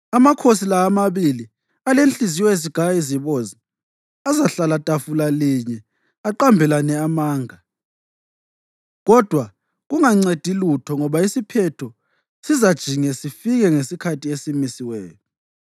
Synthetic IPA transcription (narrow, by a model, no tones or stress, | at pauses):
amakʰosilaːmaβili | alent͡ɬʼizijwɛeziɡ̥ʱaiziβozi | azaɬalatʼafulaliɲɛ | aǃambʱɛlanɛamaːŋa | ɣɔd̥ʱwa | ɣuŋaŋ͡ǀed̥ʱilutʰɔŋɔβaisipʰɛtʰɔ | sizad̥ʒ̥ʱiŋɛsifiɣɛŋesikʰatʰiesimisiwɛːjɔ